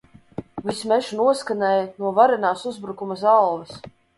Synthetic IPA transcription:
vismɛʃnuɔskanɛːjnuɔvaɾɛnaːsuzbɾukumazalˠvɛs

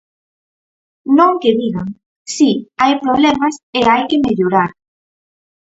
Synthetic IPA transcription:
nõŋkeðiɣaŋ | siajpɾoβ̞lemaseajkemeʎoɾaɾ

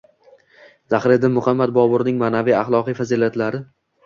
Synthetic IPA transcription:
zaχɾɪd̪ɪnmʊχamːad̪̚bɒbʊɾnɪŋmaːnavijaχlˠɒqijfazilat̪laɾɪ

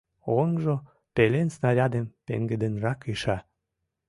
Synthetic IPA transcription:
onʒo | pelensnɑɾʲɑd̪empḛŋɡed̪enrɑkiʃɑ

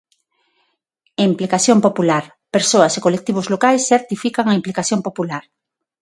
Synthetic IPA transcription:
implikaθjõmpopulaɾ | peɾsoɐsekolek̚t̪iβ̞ʊzlokajsθeɾt̪ifikaŋaimplikaθjõmpopulaɾ

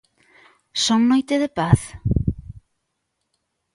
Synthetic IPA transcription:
soŋnojt̪eðepaθ

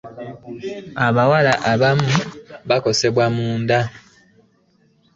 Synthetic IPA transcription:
aβawalaʔaβamuβako̞se̞βwamuːnda

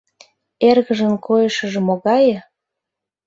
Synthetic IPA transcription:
erɣəʒə̆nkʰojəʃə̆ʒĕmoɣɑjə̆

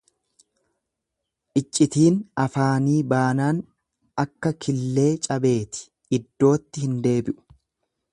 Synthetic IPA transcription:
ʔɪt͡ʃʼːɪt̪iːnɐfaːniːbaːnaːn | ɐkːɐkʰɪlːe̞ːt͡ʃʼɐbe̞ːt̪ɪ̥ | ɪd̪ːo̞ːt̪ːɪhɪnd̪e̞ːbɪʔʊ̥

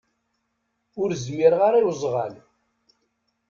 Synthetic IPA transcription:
ʊɾzmiɾʁaɾˤiwzˤʁa̰l

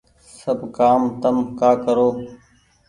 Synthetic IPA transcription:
səbkaːmt̪əmkaːkəɾoː

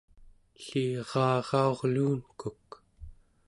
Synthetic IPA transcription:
ɬiʁɑːʁɑo̞ʁluːnkuk

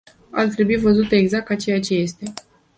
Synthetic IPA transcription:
a̰rt̪ɾe̞buivəzut̪eeɡzak̚t̪at͡ʃe̞jat͡ʃe̞je̞st̪e̞

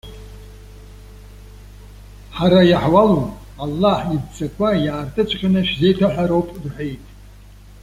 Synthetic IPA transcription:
ħaɾajaħwalo | alːaħibt͡sʰʼakʷʰajaːrtʰʼɨt͡ʃʷʰʼqʲʼanɨʃzejtʰaħʷᶣaɾowpʼrħʷejtʼ

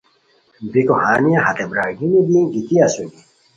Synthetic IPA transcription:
bikohaːnijaɦɐt̪ebɾaːɡinid̪iɡit̪iɐsuɡi

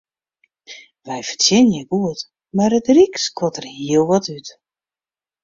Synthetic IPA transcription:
ʋɛjfərtjɪnəjɛɡuət | marətrikskʰɔtərhiəlˠʋɔtyt

